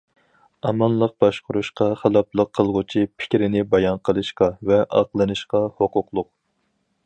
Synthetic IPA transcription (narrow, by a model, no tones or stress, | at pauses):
ɑmɑnlˠəq̚b̥ɑʃqʊɾuʃqɑχælˠɑplˠəqʰːəlˠʁʊt͡ʃʰipʰɪ̥kʲɾɪnɪbɑjɑnqʰəlˠɨʃqɑvɛʔɑqlˠɨnɨʃqɑhoqʊqlˠʊq̚